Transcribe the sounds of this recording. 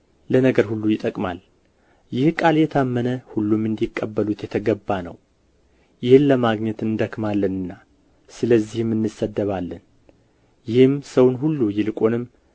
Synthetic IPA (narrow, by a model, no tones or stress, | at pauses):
lənəɡəɾhulːujɪt̪ʼəkʼma̰l | jɪhkʼaljɛt̪ʰamːənəhulːumɨnd̪ikʼːəbːəlut̪jɛt̪ʰəɡəbːanə̰w | jɪhɨnləmaɡɲɛt̪ɨnd̪əkmalːənɨnːa | sɨləzːihɨmːɨnːɨsːəd̪ːəβalːən | jɪhɨmsəwnɦulːujɪlɨkʼo̞nɨmː